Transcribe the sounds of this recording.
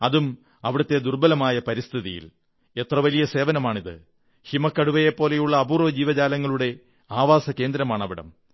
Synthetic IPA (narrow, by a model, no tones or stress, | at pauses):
ɐðum | ɐʋiɽɐt̪ːe̞d̪urbɐlɐmaːjɐpɐɾist̪ʰiðḭjḭl | et̪rɐʋɐlijɐse̞ːʋɐnɐmaːɳiðɨ̰ | himɐkːɐɽuʋɐjepːo̞ːle̞juɭːɐːbuːrʋɐd͡ʑiːʋɐd͡ʑaːlɐŋːɐɭuɽe̞ | aːʋaːsɐke̞ːnd̪ɾɐmaːɳɐʋiɽɐ̰m